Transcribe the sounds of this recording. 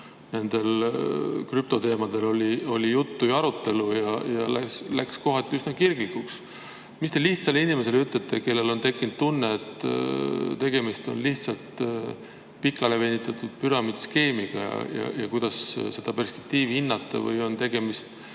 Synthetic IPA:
ne̞nd̪̥e̞l | kryp̚t̪o̞t̪e̞ːmɑd̪̥e̞lo̞lʲio̞̰lʲijut̪ːujɑɾut̪ˑːe̞lujɑjɑ̰lælæksko̞ɦɑt̪ːˑiysnɑkirɡ̥likuks | mist̪e̞liht̪sɑlinime̞se̞lyt̪ːˑɑt̪ːˑe̞ke̞lːe̞lo̞nt̪e̞kːˑinud̪̥̚t̪unːeːt̪ | t̪e̞ɡ̥e̞mist̪o̞̰nliht̪sɑlt̪ | pikːˑɑle̞ve̞ːnːit̪ːˑɑt̪ːˑud̪̥pyɾɑmid̪ske̞ːmiɡ̥ɑ̰jɑ̰jɑ̰jɑ̰kujd̪̥ɑsse̞d̪̥ɑpe̞rspe̞̥k̚t̪iːvihinːɑt̪ːɑ̰vɤ̰jo̞nt̪e̞ɡ̥e̞mist̪

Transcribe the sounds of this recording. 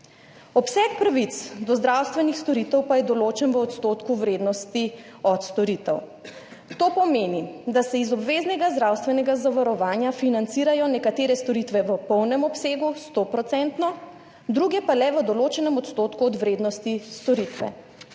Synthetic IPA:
ɔpsɛkpɾaʋit̪sd̪ɔzd̪ɾawst̪ʋɛnixst̪ɔɾit̪ɛwpajɛd̪ɔloːt͡ʃɛnʋəɔt̪st̪oːt̪kuʋɾeːd̪nɔst̪i | ɔt̪st̪ɔɾit̪ɛw | t̪oːpɔmeːnid̪asɛizɔbʋeːznɛɡazd̪ɾawst̪ʋɛnɛɡazaʋaɾɔʋaːnjafinant̪siːɾajɔnɛkat̪eːɾɛst̪ɔɾit̪ʋɛʋəpɔwnɛmɔpseːɡust̪opɾɔt̪sɛnt̪nɔ | d̪ɾuɡjɛpalɛʋəd̪ɔloːt͡ʃɛnɛmɔt̪st̪oːt̪kuɔd̪ʋɾeːd̪nɔst̪ist̪ɔɾit̪ʋɛ̰

